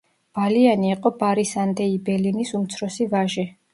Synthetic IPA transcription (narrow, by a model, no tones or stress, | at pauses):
b̥alianiːqʼɔbaɾisand̪ɛibɛlinisumt̪sʰɾɔsivaʒi